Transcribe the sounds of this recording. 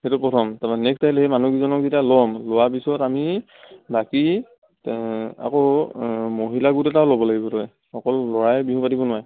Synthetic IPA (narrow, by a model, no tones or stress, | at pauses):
hetʊpɔtʰɔmtamanɛkʰtailehemanuɡizɔnɔk̚zitalɔmlowapisɔtami | baki | a̰ko | moɦilaɡutɛtalobɔlaɡibɔtɔj | xɔkɔlːɔɹajbiɦũpadibɔnʊwaj